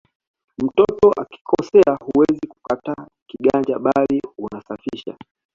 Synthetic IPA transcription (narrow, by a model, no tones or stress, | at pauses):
m̩tɔtɔʔaki̥kʰɔsɛahuwɛziku̥kata | kiɠand͡ʒaɓaliunasafiʃa̰